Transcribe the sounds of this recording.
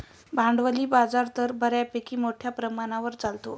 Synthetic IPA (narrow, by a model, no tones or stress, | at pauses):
bʱaɳɖʋəliːbad͡zaɾt̪əɾbʱəɾjapekiːmoʈʰjapɾəmaɽ̃aʋəɾt͡salt̪o